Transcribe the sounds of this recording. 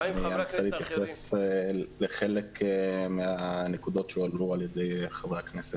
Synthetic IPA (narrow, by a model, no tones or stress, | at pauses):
eanasaliit̪jaχes | leχelekʰmeanekud̪o̞t̪ʃealualjed̪e̞jχavʁeakneset